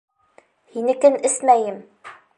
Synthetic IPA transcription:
hinɘ̆kɘnɘsmæjɘm

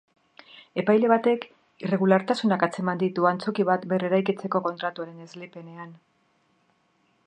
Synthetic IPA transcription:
e̞pajle̞β̞at̪e̞k | ire̞ɣulaɾt̪asunakat͡se̞mand̪it̪uant͡so̞kiβat̪be̞re̞ɾajkit͡se̞ko̞ko̞nt̪ɾat̪uaɾe̞ne̞zlepe̞ne̞an

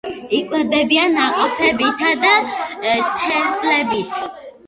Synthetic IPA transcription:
ikʼwɛb̪ɛbianaqʼɔpʰɛbit̪ʰad̪a | t̪ʰɛɾzlɛbit̪ʰa

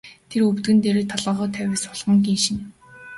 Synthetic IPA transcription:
t̪ʰeɾɵwt̪ɡɘ̆nt̪eɾeːt̪ʰɔɮə̆ːʁʊːt̪ʰæwʲeːsʊɮʁɞ̆ŋɡinʃĭn

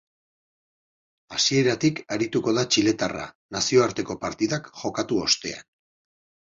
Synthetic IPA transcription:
asie̞ɾat̪ikaɾit̪uko̞ðat͡ʃile̞t̪ara̰ | nasio̞aɾt̪e̞ko̞paɾt̪iðakʝo̞kat̪uo̞st̪e̞a̰n

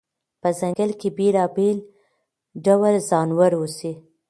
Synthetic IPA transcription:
pəzaŋɡəlkebelɑbel | ɖawalzɑnwaɾwusi

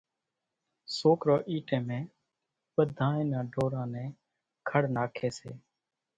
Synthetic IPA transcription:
soːkɾoːʔiːʈẽːmẽː | ɓəd̪ʱãːẽːnãːɖʱoːɾãːnɛ̃ː | kʰəɽnaːkʰeːsḛː

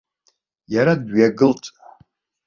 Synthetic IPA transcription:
jaɾadɥaɡɨltʼ

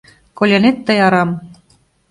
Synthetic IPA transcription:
kolʲenet̪ːə̆jɑɾɑm

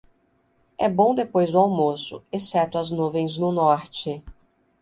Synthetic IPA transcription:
ɛbõw̃d̪epojzd̪ʊawmosʊ̰esɛt̪ʊɐznuvẽj̃znʊnɔɾt͡ʃɪ

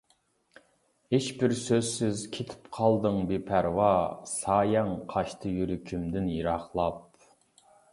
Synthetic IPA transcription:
heʃbɪɾsøzsɪzkʲʰet̪ʰɪ̥pqʰɑlˠd̪ɨŋbepʰæɾwɑsɑːjɛŋqʰɑʃt̪ʰɨjyɾykʲʰymd̪ɪnjiɾɑχlˠɑp̚

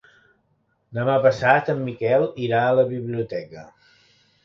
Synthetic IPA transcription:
d̪əmapəsat̪əmːikɛlˠiɾaələβiβliut̪ɛkə

